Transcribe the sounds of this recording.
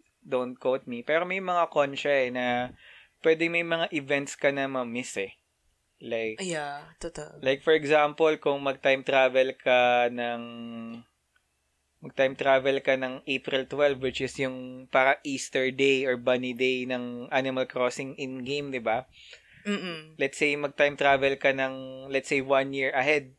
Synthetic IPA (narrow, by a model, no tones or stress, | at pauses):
d̪õnt̪̚kowt̪̚mipɛɾomɐjmɐŋakont͡ʃɛɛnɐpwɛd̪ɛŋmɐjmɐŋaʔɪvɛnt̪skɐnɐmɐmɪsɛ | lajkjat̪ot̪lajk̚fɔɹɛɡzampolkʊŋmɐɡ̚t̪ajmt̪ɾaːvɛlkʰɐnɐŋ | mɐɡ̚t̪ajmt̪ɾaːvɛlkɐnɐŋʔejpɾɪlt̪wɛlvwɪt͡ʃɪsjʊŋpaɾɐʔiːst̪ɛɹd̪ejɔɹbɐnid̪ejnɐŋʔanɪmɐlkɹɔsɪŋʔɪ̃nɡẽjmd̪ɪba | lɛt̪sejmɐɡ̚t̪ajmt̪ɾaːvɛlkɐnɐŋlɛt̪sejwɐ̃njiɹɐhɛd̪̚